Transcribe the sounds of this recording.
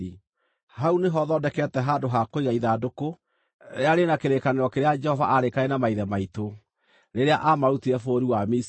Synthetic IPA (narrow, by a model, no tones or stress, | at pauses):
i | hauneɦɔðɔːdɛkɛtɛɦaːdoɦakoiɣaiðadoko | ɾḛaɾenakeɾekaneɾɔkeɾead͡ʒɛhɔvaʔaɾekaenamaiðɛmaito | ɾeɾeaʔamaɾutiɾɛfoɾiwamis